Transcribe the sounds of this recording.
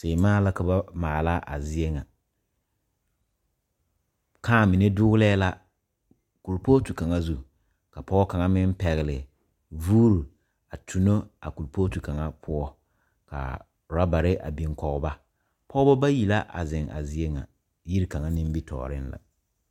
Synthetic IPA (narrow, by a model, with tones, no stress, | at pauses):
se˨maː˦la˦ka˨˦ba˦maː˨laː˦ʔa˨zɪ˦e˦ŋa˨ | kaː˦˨mi˨ne˦dʊ˦ɣlɛː˦la˦ | ku˨lpoː˦tu˨ka˨ŋa˦zu˦ | ka˨pɔ˦ɔ˦ka˨ŋa˦mɪ˦m˦pɛ˨ɣɪ˨lɪ˨ | vuː˦ɾu˨ | a˨tʰu˨no˦a̰˨ku˨lpoː˦tu˨ka˨ŋa˦pʰʊ˦ɔ˦ | ka̰˨ | ɾa˦ba˨ɾɪ˦ʔa̰˨bi˨ŋkɔ˨ʊ˦ba˦ | pʰɔ˦bɔ˦ba˦ji˨la˦ʔa̰˨zɪ˨ŋa̰˨zi˦e˦ŋa̰˨ | ji˦ɾka˨ŋa˦nɪ˦m˦bi˦tʰɔ̰ː˨ɾɪ˦nla̰˨